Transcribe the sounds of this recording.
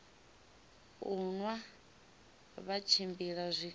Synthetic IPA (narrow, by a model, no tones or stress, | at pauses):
unwa | βat͡ʃʰimbiɺazʷi